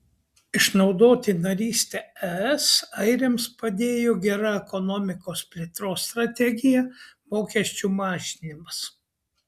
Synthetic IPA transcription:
ɪʃnɒʊd̪oːt̪ʲɪnɐɾʲiːsʲt̪ʲɛɛɛsɐɪɾʲemspɐd̪ʲeːjoːɡʲɛɾɑɛkɔnɔːmʲɪkoːspʲlʲeːt̪ɾoːst̪ɾɐt̪ʲɛɡʲɪjɛmoːkʲɛsʲt͡ʃʲumɑːʒʲɪnʲɪmɐs

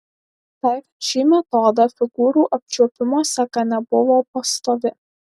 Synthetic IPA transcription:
t̪ɐɪ | ʃʲiːmʲɛt̪ɔːd̪ɐfʲɪɡuːɾuːʔɐp̚ʲt͡ʃʲuɔpʲɪmoːsʲɛkɐnʲɛbʊʋoːpɐst̪oːʋʲɪ

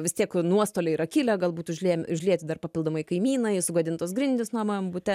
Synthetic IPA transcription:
ʋʲɪst̪ʲiɛknuɔst̪oːlʲɛɪɾɐkʲilʲɛɡɐlˠbuːt̪ʊʒʲlʲiɛmʲʊʒʲlʲiɛt̪ʲɪd̪ɐrpɐpʲɪlˠd̪oːmɐɪkɐɪmʲiːnɐɪsʊɡɐd̪ʲɪnt̪oːsɡɾʲɪnʲd̪ʲɪsnuːmɐɐmbʊtʲɛ

